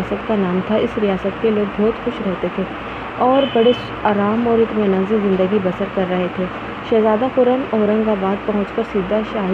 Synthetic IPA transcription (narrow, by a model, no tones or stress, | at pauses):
sət̪kanaːmt̪ʰaɪsɾijaːsət̪keloːɡ̚bɔːt̪xʊʃɾɛɦt̪et̪ʰeː | ɔːɾbɐɽeʃ | aːɾaːmɔːɾɪt̪mẽnɐ̃nzẽzɪ̃nd̪əɡibɐsəɾkɐɾːɐɦet̪ʰeː | ʃɛːzaːd̪axʊɾənɔːɾə̃ŋɡkabaːd̪̚pɐɦʊ̃t͡ʃkəɾsiːd̪ːaʃaːɦ